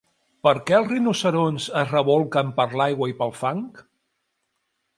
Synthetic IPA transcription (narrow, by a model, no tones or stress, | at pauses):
pəɾkɛəlˠzrinusəɾonzəzrəβɔlˠkəmpəɾlajɣwəipəlˠfaŋk